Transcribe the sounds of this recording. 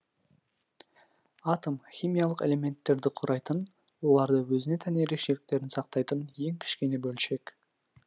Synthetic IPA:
ɑt̪omxʲijmʲijɑlˠəqe̞̰le̞me̞nt̪ːe̞ɾd̪ɪqʰʊɾʔɑjt̪ən | wo̞lˠɑɾd̪əwɵzɪne̞t̪ʰæneeɾe̞kʃe̞lɪk̚t̪e̞ɾɪnsɑq̚t̪ɑjt̪ənje̞ŋkʲʰɪ̥ʃkʲe̞ne̞bɵlʃe̞k

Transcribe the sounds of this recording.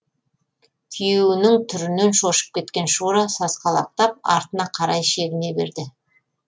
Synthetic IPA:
t̪ʲʰijewɪnɪŋt̪ʰʏɾɪne̞nʃo̞ʃə̥p̚kʲʰe̞t̪kʲe̞nʃuɾɑsɑsqɑlˠɑ̰q̚t̪ɑp̚ɑ̰ɾt̪ənɑqʰɑɾɑjʃe̞ɡʲɪne̞be̞̰ɾd̪ɪ

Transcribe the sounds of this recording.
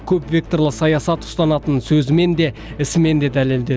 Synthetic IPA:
kʲʰɵpvʲe̞k̚t̪o̞rlˠəqsɑjɑsɑt̪ʰʊ̥st̪ɑnɑt̪ənsɵzɪme̞nd̪e̞ɪsɪme̞nd̪e̞d̪æle̞ld̪e̞

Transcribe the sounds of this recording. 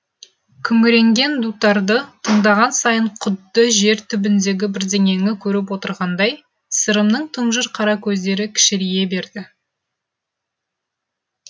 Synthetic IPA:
kʲʰʏŋɡʲɪɾe̞ŋɡʲe̞nd̪ut̪ːɑɾd̪ət̪ʰəɴd̪ɑʁɑnsɑjəɴqʰʊd̪ːəʒe̞ɾt̪ʰʏbɪnd̪e̞ɡʲɪbɪɾd̪e̞ŋe̞ŋɪkʲʰɵɾɪp̬wo̞t̪əɾʁɑnd̪ɑj | səɾəmnəɴt̪ʰəɴʒəɾqʰɑɾɑkʲʰɵzd̪e̞ɾɪkʲʰɪ̥ʃɪɾije̞be̞ɾd̪ɪ

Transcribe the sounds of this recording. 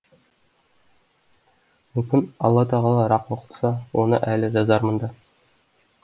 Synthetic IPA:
mɵ̆mkʲɘnɒ̰lˠːɑt̪ɑʁɑlˠɑɾɑqŏqə̥̆t̪ˠsɑwonɤ̰ʔælɘʒɑzɑɾmɤ̆nd̪ɑ

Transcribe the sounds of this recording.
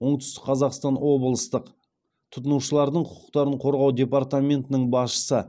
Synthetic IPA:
woɴt̪ʏst̪ɪkqʰɑzɑqst̪ɑnwo̞bəlˠəst̪əq | t̪ʰʊ̥t̪ənuʃəlˠɑɾd̪əɴqʰʊ̥qʰʊ̥qt̪ɑɾəɴqʰo̞ɾʁɑwd̪ʲe̞paɾt̪amʲe̞nt̪ɪnɪɴbɑsʃə̥sə

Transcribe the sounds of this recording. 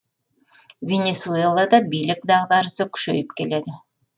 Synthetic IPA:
vʲenʲesuelˠɑd̪ɑbijlik̚d̪ɑʁd̪ɑɾsɯky̥ʃø̰jypke̞le̞d̪ɪ

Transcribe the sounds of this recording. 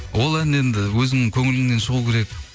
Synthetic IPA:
wo̞lˠæne̞nd̪ɪwɵzɪŋnɪŋkʲʰɵŋɪlɪŋne̞nʃəʁukʲʰe̞ɾe̞k

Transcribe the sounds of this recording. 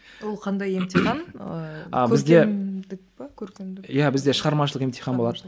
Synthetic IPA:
wolˠqʰɑnd̪ɑjemt̪iχɑn | ɑ̰bɪzd̪emd̪ɪk̚ | kʲʰɵɾkʲemd̪jæbɪzd̪e̞ʃəʁɑɾmɑʃəlˠəqemt̪ijχɑnbo̞lˠɑd̪ə

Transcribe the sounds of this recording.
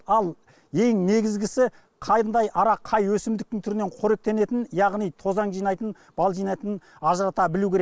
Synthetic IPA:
ɑlˠ | e̞ŋne̞ɡʲɪzɡʲɪsɪ | qʰɑjənd̪ɑjɑɾɑqʰɑjwɵsɪmd̪ɪk̚t̪ɪŋt̪ʰʏɾɪneɴqʰoɾe̞k̚t̪e̞ne̞t̪ɪnjɑʁnijt̪ʰo̞zɑɴʒijnɑjt̪ən | b̥ɑlˠʒijnɑjt̪ənn | ɑʒəɾɑt̪ɑbɪluwkʲʰeɾe

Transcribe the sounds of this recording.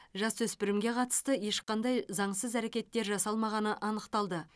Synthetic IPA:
ʒɑswɵspɪɾɪmɡʲe̞qʰɑt̪ə̥st̪əje̞ʃqɑnd̪ɑjzɑɴsəzæɾe̞kʲe̞t̪ːe̞ɾʒɑsɑlˠmɑʁɑnəʔɑnəqt̪ɑlˠd̪ə

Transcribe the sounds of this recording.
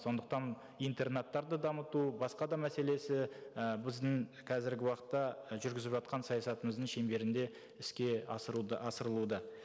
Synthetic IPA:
so̞nd̪əq̚t̪ɑn | ijnt̪e̞rnet̪ːɑɾd̪əd̪ɑmət̪ubɑsqɑd̪ɑmæse̞le̞sɪbɪzd̪ɪŋ | qʰɑzɪɾɡʲɪwɑqə̥t̪ːɑʒʏɾɡʲɪzɪpʒɑt̪qɑnsɑjɑsɑt̪əməzd̪əɴʃe̞mbe̞ɾɪnd̪e̞ | ɪskʲe̞ | ɑsəɾəlˠud̪ə

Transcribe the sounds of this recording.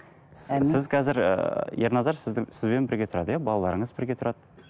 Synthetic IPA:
ɪzqʰɑzɪɾə̰jeɾnɑzɑɾsɪzɪsɪzbe̞nbɪɾɡʲe̞t̪ʰʊɾɑd̪əjabɑlˠɑlˠɑ̰ɾəɴəzbɪɾɡʲe̞t̪ʰʊɾɑd̪ə

